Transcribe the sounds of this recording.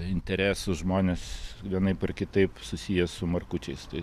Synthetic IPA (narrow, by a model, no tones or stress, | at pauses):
ɪnʲt̪ʲɛɾʲæːsʊʒmoːnʲesʋʲiɛnɐɪpɐrkʲɪt̪ɐɪpsʊsʲijɛsʊmɐrkʊt͡ʃʲɛɪst̪ɐɪ